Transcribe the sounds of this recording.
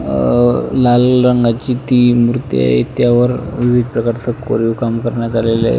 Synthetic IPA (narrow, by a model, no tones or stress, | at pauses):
lalɾəŋɡat͡ɕiːt̪iːmɾut̪ḭa̰ɦḛt̪jaʋəɾʋiʋid̪̚ʱpɾəkaɾt͡səko̰ɾukamkəɾɳjat̪alela̰